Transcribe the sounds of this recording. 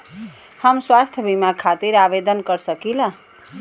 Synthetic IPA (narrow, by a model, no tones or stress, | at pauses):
həmswast̪ʰjəbimaɾkʰat̪iɾabed̪ənkəɾsəkilə̃